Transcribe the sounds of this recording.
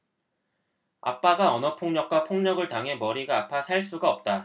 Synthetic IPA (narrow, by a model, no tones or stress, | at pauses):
a̰p͈aɡaʌnʌpʰoŋɲʌk̚k͈wapʰoŋɲʌɡɯɭtaŋɦe̞mʌɾiɡaːpʰasʰaɭs͈uɡaʌp̚t͈a